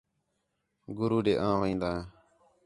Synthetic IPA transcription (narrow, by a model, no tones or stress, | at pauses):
ɡʊɾuːɖeːʔãːʋəĩːnd̪aːɦãː